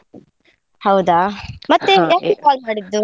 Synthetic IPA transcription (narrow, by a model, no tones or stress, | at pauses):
hɐwd̪aːmɐt̪ːejaːkekaːlmaːɽid̪ːu